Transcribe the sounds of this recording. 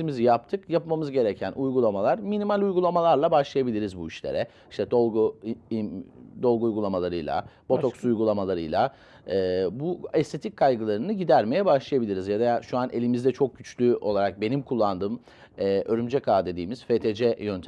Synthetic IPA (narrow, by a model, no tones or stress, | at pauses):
mizijap̚t̪ʰɯkjapmamɯzɟe̞ɾɛcʰænʔujɡulˠamalˠaɾminimalʲujɡulˠamalˠaɾlˠabaʃlˠajabilʲiɾizbuiʃlʲḛɾɛ | iʃt̪ʰɛd̪olˠɡuid̪o̞lˠɡuːjɡulˠamalˠaɾɯjlˠa̰b̥o̞t̪oksujɡulˠamalˠaɾɯjlˠa | ɛːbuɛst̪ʰe̞t̪ʰic̚kʰːajɡɯlˠaɾɯnɯɟid̪æɾme̞jɛbaʃlˠajabilʲiɾizjad̪aʃuanʔe̞lʲimizd̪ɛt͡ʃʰo̞k̚ɟyt͡ʃlʲyo̞̰lˠaɾak̚be̞nimkʰulˠːand̪ɯːm | ɛːʔø̞ɾymd͡ʒɛkʰaːd̪e̞d̪iːmiz̥fet̪ʰed͡ʒɛjønt̪ʰ